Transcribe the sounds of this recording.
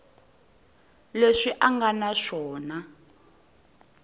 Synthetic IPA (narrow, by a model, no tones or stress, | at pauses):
leʂiʔaŋɡanaʂɔːna